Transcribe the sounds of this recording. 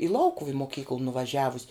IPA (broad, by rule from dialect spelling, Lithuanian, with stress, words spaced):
ɪ ˈlˠɐʊkʊw ɪ moːˈkʲiːklˠ nʊʋɐˈʒʲæːʋʊsʲ